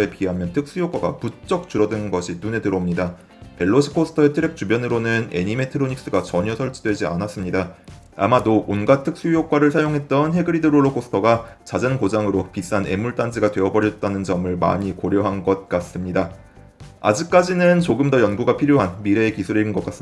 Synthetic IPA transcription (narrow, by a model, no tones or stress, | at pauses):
e̞piɦamjʌntʰɯk̚s͈ujok͈waɡa̰put͡ɕ͈ʌk̚t͡ɕ͈uɾʌdɯnnɡʌɕʰinune̞dɯɾʌmɲida | pe̞ɭːoɕʰi̥kʰosʰɯ̥tʰʌe̞tʰɯɾe̞k̚t͡ɕ͈ubjʌnɯɾonɯne̞̰ɲime̞tʰɯɾoɲik̚s͈ɯɡat͡ɕʌɲʌsʰʌɭt͡ɕ͈ʰidwe̞d͡ʑia̰nas͈ɯmɲida | a̰madoʔonɡatʰɯk̚s͈ujok͈waɾɯɭsʰajoŋɦe̞t̚t͈ʌnɦe̞ɡɯɾidɯɾoɭːokʰosʰɯ̥tʰʌɡat͡ɕad͡ʑʌnkod͡ʑaŋɯɾopis͈ane̞̰muɭt͈and͡ʑiɡatwe̞ʌbʌɾjʌt̚t͈anɯnd͡ʑʌmɯɭma̰ɲikoɾjʌɦanɡʌt̚k͈as͈ɯmɲida | a̰d͡ʑik̚k͈ad͡ʑinɯnt͡ɕoɡɯmdʌjʌnɡuɡapʰiɾjoɦanmiɾe̞ːkisʰuɾiɯnɡʌk͈as͈ɯm